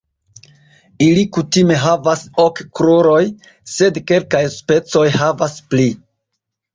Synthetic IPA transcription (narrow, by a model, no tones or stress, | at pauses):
ilikutime̞ɦavasokkɾoɾo̞j | se̞dke̞lkajspe̞t͡so̞jhavaspli